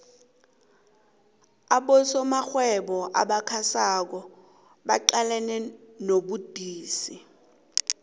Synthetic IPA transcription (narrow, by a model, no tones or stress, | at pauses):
aɓɔsɔmaxwɛɓɔʔa̰ɓakʰasak̬ɔ | ɓaǃalɛnɛnoɓud̥ʱiːsi